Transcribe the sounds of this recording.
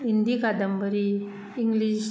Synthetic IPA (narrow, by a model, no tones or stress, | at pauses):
ind̪ikad̪əmbəɾiː | ŋɡliɕ